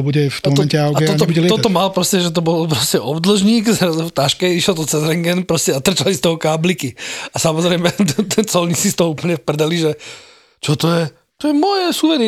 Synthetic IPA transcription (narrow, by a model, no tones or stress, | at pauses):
buɟɛft̪ɔmɔɔɛncɛaɡatɛɔt̪ɔɛbuɛɔt̪ɔmalpɾɔscɛʒɛt̪̬ɔbɔlpɾɔscɛʔɔbd̪l̩ʒɲiːɡzɾazuʊft̪aʃkɛiʃɛld̪ɔt͡sɛzɾɛŋɡɛnpɾɔscɛat̪r̩t͡ʃalist̪ɔɦɔkaːblikiasamɔzɾɛɪmɛt̪t̪t͡sɔlɲit͡sist̪ɔɦɔupl̩ɲɛfpr̩d̪aliʒɛ | t͡ʃɔt̪ɔjɛ | t̪ɔjɛmɔjɛsuːʋɛɾi